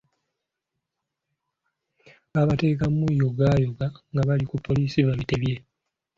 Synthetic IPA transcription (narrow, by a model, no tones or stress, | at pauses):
βaːβate̞ːkamujoɡaːjoɡaŋɡaβalikupʰːo̞liːsiβaβiteβje̞